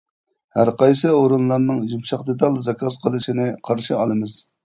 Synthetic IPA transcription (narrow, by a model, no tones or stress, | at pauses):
hæɾqɑjsɨoɾunlˠɑɾnɨŋʒumʃɑqd̪et̪ɑlˠzɑkʰɑzqʰəlˠɨʃinɪqʰɑɾʃiɑlˠɨmɨz̥